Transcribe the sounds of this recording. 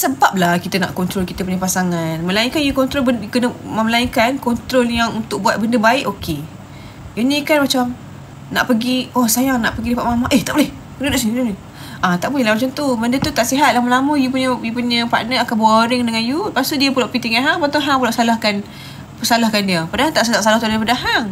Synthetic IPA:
səbap̚lahkit̪əna̰ʔkɔnt̪ɾolkit̪əp̬uɲəpasaŋanməlaiŋkanjukɔnt̪ɾobənkənəməlaiŋkankɔnt̪ɾoljaŋunt̪ʊk̚buat̪̚bəndəbaɪʔoke | inikanmat͡ʃam | na̰ʔpəɡiɔsajaŋnaʔpəɡidapaʔmamaʔeht̪aʔbolɛh | kənənaʔsidu | ʔat̪aʔbolɛhlamat͡ʃamt̪ubəndət̪ut̪aʔsiɦat̪̚laməlamujupuɲəjupuɲəpa̰ʔnəakaboɾɪŋdəŋanjupasuʔdiəpulaʔpit̪iŋaɦaŋpant̪oŋɦaŋpulaʔsalahkan | pəsalahkandiəpadaɦat̪aʔsad̪aʔsalaht̪udaipadaɦaŋ

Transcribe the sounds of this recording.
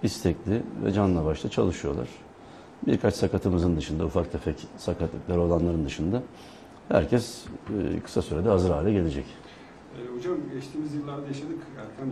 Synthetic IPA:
ist̪ʰɛclʲɪvɛ̰d͡ʒanɯnˠabaʃlˠat͡ʃʰa̰lˠɯʃɯjo̞̰lˠa̰ɾ̥ | biɾkʰat͡ʃsakat̪ʰɯmɯzɯnd̪ɯʃɯnd̪aufak̚t̪ʰɛfɛcsakʰat̪lˠɯklˠaɾo̞lˠanlˠaɾɯnd̪ɯʃɯnd̪a | hæ̰ɾcʰɛz̥kʰɯ̥sasyɾed̪ɛɦazɯɾhaːlʲɛɟe̞lʲe̞d͡ʒɛc | ɛhod͡ʒamɯmɟɛʃt̪ʰiːmizjɯlˠːaɾd̪ajaʃad̪ɯkæɾʲcʰæn

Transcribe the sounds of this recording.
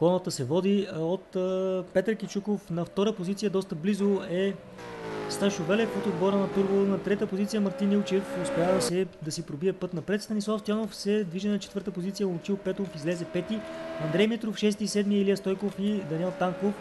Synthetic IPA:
kɔnət̪əsɛvɔd̪iot̪ːpɛt̪ɾkit͡ʃukofnɐft̪ɔɾəpozit̪sijəd̪ɔst̪əblizoɛ | st̪aʃovɛlɛfot̪od̪̚bɔɾənɐt̪uɾvonɐt̪ɾɛt̪əpozit̪sijəmɐɾt̪inilˠt͡ʃɛfospɛjad̪ɐsɛd̪ɐsipɾobiɛpɤt̪nɐpɾɛt̪st̪ɐnislˠafst̪ʲjanofsɛd̪viʒɛnɐt͡ʃɛt̪vɤɾt̪əpozit̪sijəlˠt͡ʃilpɛt̪ofizlɛzɛpɛt̪iɐnd̪ɾɛjmɛt̪ɾofʃɛst̪isɛd̪miɛliəst̪ɔjkofid̪ɐniɛlˠt̪aŋkof

